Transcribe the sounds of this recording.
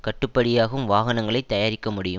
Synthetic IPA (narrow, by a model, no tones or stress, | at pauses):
kɐʈːɯpːɐɽɪjaːɣɐɯmʋaːɣɐnɐŋɡɐɭɐɪt̪ːɐjaːɾɪkːɐmʊɽɪjɯm